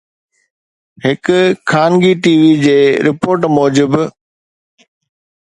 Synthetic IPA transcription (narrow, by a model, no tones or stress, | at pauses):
ɦɪkkʰːaːnɡiʈiːʋid͡ʑeːɾɪpoːɾʈmɔːd͡ʑɪb